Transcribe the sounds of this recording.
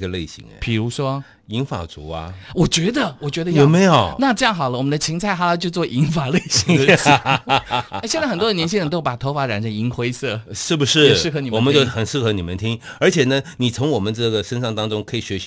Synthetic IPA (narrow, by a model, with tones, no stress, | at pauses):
ɡə˧le˥˩ɪɕḭ˧˥ŋ̰˦pʰi˨˩ɻu˧˥ʂwɔ˥ | i˧˥ŋfa̰˨˩t͡sṵ˧˥ɐ̰˧wɔ˨˩t͡ɕɥɛ˧˥d̪ə˨wɔ˨˩t͡ɕɥɛ˧˥d̪ə˧˦jo˧˨˩ʊme˧˥jo˨˩ʊna˥˧ʈ͡ʂɤ˥˧jɑ˥˩ŋxɑ˨˩ʊlə˦wɔ˨˩mə˦nd̪ə˧t͡ɕʰi˧˥ŋt͡sʰa˥˩ɪxa˧˥la˧˥t͡ɕjo˥˧ʊt͡swɔ˥˩ʔi˧˥ŋfa˨˩le˥˩ɪɕi˧˥˩ | ɕjnt͡sa˥˩xə˨˩nt̪wɔ˥də˨njɛ˧˥nɕ̬ʰi˥˧ɻə˧˥nt̪o˥ʊpa˨˩t̪ʰo˧˥ʊfa˧˥ɻa˨˩nʂə˧˥ni˧˥ŋxwe˥ɪsɤ˥˩ʂɻ̩˥˩bu˩ʂɻ̩˥˩˧ʂ̩˥˩xɤ˧˥ni˨˩wɔ˨mə˧˦t͡ɕo˥˧ʊxə˨˩nʂɹ̩˥˩xɤ˧˥ni˨˩mə˦nt̪ʰi˥ŋə˞˧˥t͡ɕʰjɛ˨˩nə˦ni˨˩t͡sʰʊ˧˥ŋwɔ˨˩mə˦nʈ͡ʂɤ˥˩ɡə˩ʂə˥nʂɑ˥˩ŋt̪ɑ˥ŋʈ͡ʂʊ˥ŋkʰɤ˧˥i˨˩ɕɥɛ˧˥ɕ